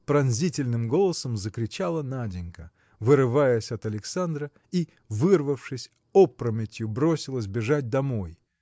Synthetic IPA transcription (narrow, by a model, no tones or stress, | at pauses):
pɾɐnzʲitʲɪlʲnɨmɡo̞lˠəsəmzəkɾʲɪt͡ɕalˠənadʲɪnʲkə | vɨɾɨvajəsʲɐt̪ɐlʲɪksand̪ɾə | i | vɨrvəfʂɨsʲ | opɾəmʲɪtʲjʊbɾosʲɪlˠəs̬ʲbʲɪʐat̚ʲd̪ɐmo̞j